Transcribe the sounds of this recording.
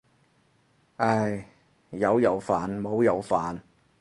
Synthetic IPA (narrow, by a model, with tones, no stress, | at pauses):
ʔa˧˩j | jɐ˨˧wjɐ˨˧wfaː˨nmo˨˧wjɐ˨˧wfaː˨n